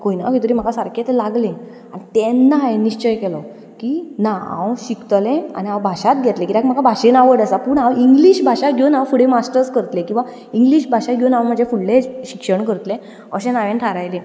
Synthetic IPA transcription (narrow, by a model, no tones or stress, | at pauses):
koinakit̪əɾim̤akasaɾkʰet̪laɡlẽ | anit̪ɛnːaeniɕt͡ɕəjkɛlɔ | kinaã̰wɕikt̪lẽa̰niãwbʱaɕat̪̚ɡʱɛt̪lẽkit̪akm̤akabʱaɕenaʋəɽəsapuɳãwiŋɡliɕbʱaɕaɡʱjonawfuɽemasʈəɾskəɾt̪lẽkĩw̃ʋa | iŋɡliɕbʱaɕaɡʱjonãwm̤ad͡ʑʱefuɽleɕikʂəɳkəɾt̪lẽ | əɕenaʋenʈʰaɾajlẽ